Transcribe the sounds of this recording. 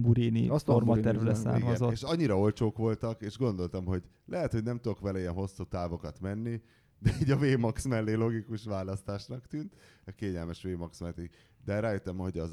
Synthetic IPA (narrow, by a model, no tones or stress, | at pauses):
buɾinḭormɒɛrvlɛsa̰ːrmɒzoeʃɒɲːiɾɒo̞lt͡ʃoːkʋo̞lt̪ɒkeːʒɡo̞nd̪o̞lt̪ɒmɦo̞ɟ | lɛɦɛt̪honɛmt̪ud̪okʋɛlɛiɛnɦo̞sːuːt̪aːvo̞kɒt̪mɛnːi | d̪ɛiːɟɒveːmɒksmɛlːeːlo̞ɡikuʃʋaːlɒst̪aːʃnɒkt̪yːnt̪ | ɛkeːɲɛlmɛʃʋeːmɒksmɛt̪i | d̪ɛɾaːjøt̪ːɛmho̞ɟɒz